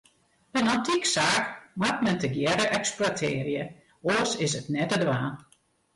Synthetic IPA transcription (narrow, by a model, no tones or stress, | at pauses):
ɛnɔntʰiksaːkmatmɛntəɡjɛɾəʔɛksplatʰɪːəɾjə | oəsɪsətnɛtədʋaːn